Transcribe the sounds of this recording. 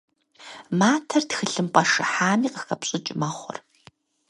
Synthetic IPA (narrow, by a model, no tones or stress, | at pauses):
maːtʰɐrtxɨɬɨmpʼɐʂɨħaːmiːqəxɐpɕʼɪt͡ʃʼɪmɐχʷɔ̰r